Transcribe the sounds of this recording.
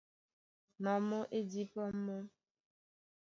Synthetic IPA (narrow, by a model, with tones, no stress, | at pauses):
nɔ˨˦mɔ˦ʔe˦di˦pɔ˦m̩˦mɔ˦